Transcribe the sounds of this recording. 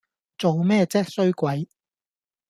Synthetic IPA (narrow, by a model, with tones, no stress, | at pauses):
t͡so˨wmɛː˥t͡sɛː˥k̚sɵ˥ɥkʷɐ˨˥j